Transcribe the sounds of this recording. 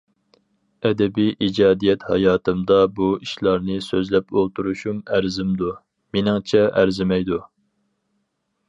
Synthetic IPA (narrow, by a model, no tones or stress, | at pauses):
ɛd̪ɛbijʔid͡ʒɑːd̪ijɛt̪hɑ̰jɑːt̪ʰɨmd̪ɑbuiʃlˠɑɾnɨsøzlɛpolˠt̪ʰuɾuʃumæɾzɪmd̪u | menɪŋt͡ʃʰɛʔæɾzɪmɛjd̪u